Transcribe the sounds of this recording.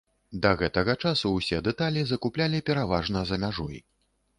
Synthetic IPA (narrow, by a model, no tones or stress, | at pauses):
d̪ɐɣɛt̪ɐɣɐt͡ʂasuwsʲɛd̪ɛt̪alʲizɐkuplʲalʲipʲɛɾavaʐnɐzɐmʲaʐɔ̰j